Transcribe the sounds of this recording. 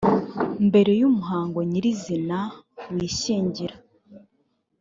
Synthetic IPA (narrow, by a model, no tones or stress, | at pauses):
mbe̞ɾe̞jumuɦaːŋɡo̞ɲiɾizinawiːʃiːɲɟiɾa